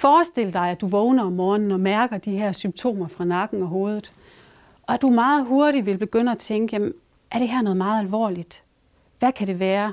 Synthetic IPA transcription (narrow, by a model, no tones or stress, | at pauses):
fɒːsd̥e̝l̰əd̥ɑ̈ɪæd̥uʋɔʊnɐɒ̽mːɒːnn̩ɒ̽mæɐɡ̥ɐd̥iɦæɐ̰symb̥̚t͡sʰo̝̰ːmɐfʁɑ̈nɑ̈ɡ̥n̩ɒ̽ɦo̝ːð̞ˠð̩ˠ | ʔɒ̽æd̥umɑ̈ːð̞̩ˠɦo̝ɐɾ̥iʋe̝lb̥e̝ɡ̥øn̰əæt͡sʰeŋɡ̥əjem | ʔæɐɾ̥e̝ɦæɐnɔ̽ð̞̩ˠmɑ̈ːð̞̩ˠælʋɒ̰ːlid̥ | ʋækʰæɾe̝ʋæːɐ